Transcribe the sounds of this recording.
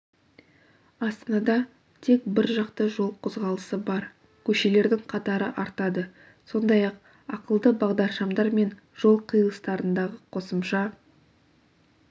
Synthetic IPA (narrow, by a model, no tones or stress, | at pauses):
ɑst̪ɑnɑd̪ɑ | t̪ʰe̞kbɪɾʒɑqt̪əʒo̞lˠqʰozʁɑlˠəsəbɑɾ | kʲʰɵʃe̞le̞ɾd̪ɪŋqʰɑt̪ɑɾəʔɑɾt̪ɑd̪ə | so̞nd̪ɑjɑq | ɑqəlˠd̪əbɑʁd̪ɑɾʃɑmd̪ɑɾme̞n | ʒ̥o̞lˠqʰijəlˠəst̪ɑɾənd̪ɑʁəqʰo̞səmʃɑ